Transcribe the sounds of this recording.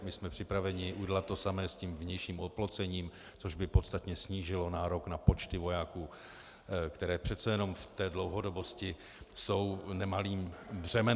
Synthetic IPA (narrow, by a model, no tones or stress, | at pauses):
mɪsmɛpr̥ɪpɾavɛɲɪʔuɟɛlat̪̚ːo̞samɛːsciːmvɲɛjʃiːmot̪̚plot͡sɛɲiːm | t͡soʒbɪpo̞t̪st̪at̪ɲɛsɲiːʒɪlo̞naːɾo̞knapo̞t͡ʃt̪ɪvo̞jaːkuː | kt̪ɛɾɛːpr̝̥ɛt̪t͡sɛjɛno̞mft̪ɛːdlo̞wɦo̞dobo̞scɪ | so̞wnɛmaliːmbr̝̥ɛmɛ